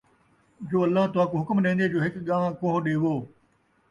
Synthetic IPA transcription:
d͡ʒoːɐlːaɦt̪ʊãːkoːɦʊkmɗẽːnd̪eːd͡ʒoːɦɪkɠãːʋãkõɦɗeːʋoː

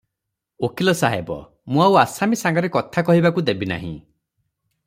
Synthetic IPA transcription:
okʰilɔsaɦebɔ̰ | mũawasamisaŋɡɔɾekɔt̪ʰakɔɦibakud̪ebina̰ɦḭ̃

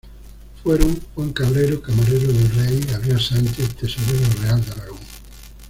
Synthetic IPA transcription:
fweɾuŋxwaŋkaβɾejɾʊkamaɾejɾʊðerejaβjoasant͡ʃeθd̪esoβeɲoreald̪alaɣoŋ

